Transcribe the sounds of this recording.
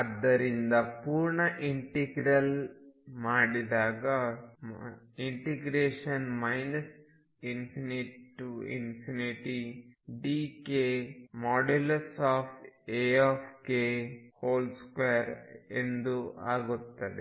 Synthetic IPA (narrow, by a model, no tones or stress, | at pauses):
ɐd̪ːɐɾind̪ɐpuːɾɳɐʔiɳʈiɡɾɐlmaːɽid̪aːɡɐ | iɳʈiɡɾeːʃɐnmɐjnɐs | inpʰiniʈḭnpʰiniʈiɖiːkeːmɔːɖelɐsaːpʈeaːpʰʈkehoːlskʋejɐɾḛnd̪ua̰ːɡut̪ːɐd̪e